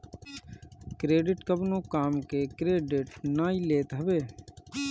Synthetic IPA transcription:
kɾeːɖɪʈkəbnõːkaːmkeːkɾeːɖɪʈnaːileːt̪ɦəʋeː

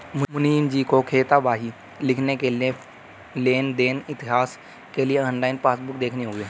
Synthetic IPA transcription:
mmʊniimd͡ʑiːkokʰeːt̪abaːɦi | lɪkʰnekeːlẽ | leːnd̪eːnɪt̪ɪɦaːs | keːliẽə̃ːnlaːinpaːsbʊkd̪eːkʰneɦoːɡẽ

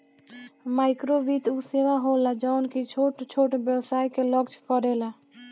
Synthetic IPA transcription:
maɪkɾobit̪useʋaɦolad͡ʒaʊnkit͡ʃʰoʈt͡ʃʰoʈbjəwsaːikeləɡd͡ʒʱkəɾela

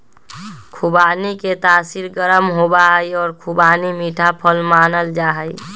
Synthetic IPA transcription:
kʰubaniket̪asiɾɡəɾəmɦobaɦəjɔːɾkʰubanimiʈʰapʰəlmanəld͡ʒaɦəj

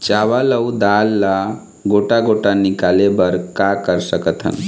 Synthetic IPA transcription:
t͡ʃaʋaləwd̪alːa | ɡoʈaɡoʈanikalebəɾkakəɾsəkət̪ʰɦə̰n

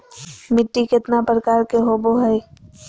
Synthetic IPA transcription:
mɪʈːikɪt̪napɾəkaːɾkeɦoːboɦɛ

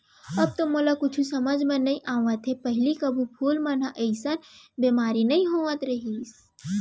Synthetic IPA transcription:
ɐb̚t̪omoːlakʊt͡ʃʰusɐməd͡ʒmɐnːɐĩʔaːʋət̪ɦepɐɦɪlikɐbʱupʰuːlman̤aʔɐɪsanbeːmaːɾinɐĩɦoːʋət̪ɾɐɦiːs

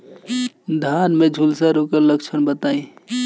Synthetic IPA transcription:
d̪ʱaːnmẽd͡ʒʱulsaɾoːkəɾləkt͡ʃʰənbət̪aːĩ

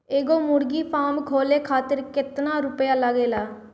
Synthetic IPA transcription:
eːɡoːmʊɽɡiːpʰaːmkʰoːleːkʰaːt̪əɾkɪt̪naːɾʊpjaːləɡeːlaː

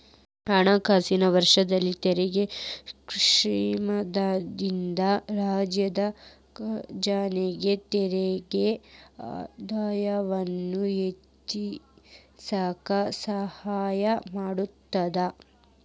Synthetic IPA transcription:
ɐɳakʰaːsinɐʋɐɾʂɐd̪ɐlːit̪ɛɾɛɡe | ʂɾiːmɐd̪aːd̪ind̪ɐɾaːd͡ʒjɐd̪ɐ | d͡ʒaːneɡe̞t̪ɛɾeɡea̰d̪aːjɐʋɐnːuet̪i | sɐkɐsɐhaːjɐmaːɽut̪ːɐd̪ɐ

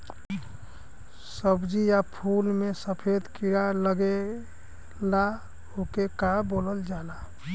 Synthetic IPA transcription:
səbd͡ʒijapʰulmesəpʰed̪kiɽaləɡe | la | ɦokekaboːləld͡ʒaːla

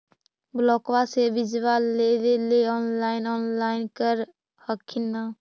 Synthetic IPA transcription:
blɔkwasebid͡ʒwalleleleɔnlaɪnɔnlaɪnkəɾ | həkʰːinːə

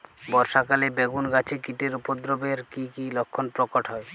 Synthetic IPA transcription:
bɔɾʃakalebeɡunɡat͡ɕʰekiʈeɾupod̪ɾobeɾkikilɔkʰːɔnpɾɔkɔʈɦɔe

